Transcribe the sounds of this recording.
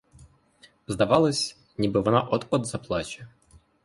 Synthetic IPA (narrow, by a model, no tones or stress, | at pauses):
vzd̪ɐvalˠəsʲ | nʲɪbɨvnaʔot̪ɔd̪zɐplˠat͡ɕɪ̥